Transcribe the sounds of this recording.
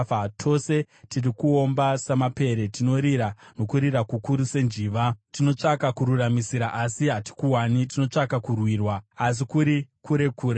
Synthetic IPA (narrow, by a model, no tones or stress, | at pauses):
atʰo̞se̞ | tirikuo̞mbasamape̞ɾe̞tino̞ɾiɾano̞kuɾirakukuɾuse̞nʐiːʋatino̞t͡ʂakakuɾuramisiɾaʔasiɦati̥kuwanit̬ino̞t͡ʂakakurwiːrwaːs̬ikuɾikuɾe̞kuːɾe